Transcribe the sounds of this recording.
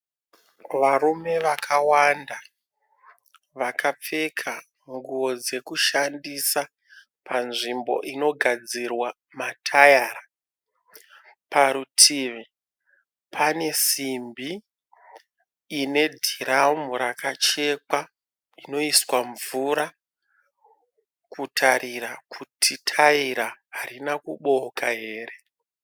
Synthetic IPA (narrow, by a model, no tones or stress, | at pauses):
ʋarume̞ʋakʰawanda | ʋakʰap͡fe̞kʰa | ŋɡuʋo̞d͡ze̞kuʃandisa | pʰanʐimbo̞̰ʔino̞ɡʱad͡zirwa | matʰajaːra | paɾutʰiːʋe | pʰane̞simbi | ne̞dʱiramuɾakat͡ʃe̞ka | ino̞iswaɱvuɾa | kutʰaɾʔirakutʰitʰaiɾaɦaɾinakuɓo̞kaɦe̞ːre̞